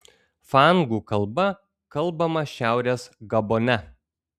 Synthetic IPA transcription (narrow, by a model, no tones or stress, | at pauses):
fɑˑŋɡuːkɐlˠˑbɐ | kɐlˠbɐmɐʃʲæˑʊɾʲeːsɡɐbonʲɛ